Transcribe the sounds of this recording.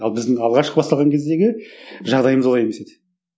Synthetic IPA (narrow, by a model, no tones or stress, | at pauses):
ɑlˠbɪzd̪ɪŋɑlˠʁɑʃqəbɑst̪ɑlʁɑŋkʲʰe̞zd̪e̞ɡʲɪʒɑʁd̪ɑjəməzwoɑjeme̞se̞d̪ɪ